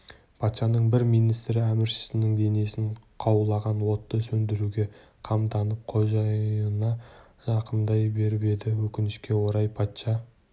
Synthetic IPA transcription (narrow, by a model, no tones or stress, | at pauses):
pʰɑt̪ʃɑnəɴbɪɾmijnijst̪ɾɪæmɪɾʃɪ̥sɪnɪŋd̪e̞ne̞sɪɴqʰɑwlˠɑʁɑnwo̞t̪ːəsɵnd̪ɪɾuɡʲe̞ | qʰɑmt̪ɑnəp̚qʰo̞ʒɑənɑ | ʒ̥ɑqənd̪ɑjbe̞ɾɪpe̞d̪ɪwɵkʲɪnɪʃkʲe̞wo̞ɾɑjpʰɑt̪ʃɑ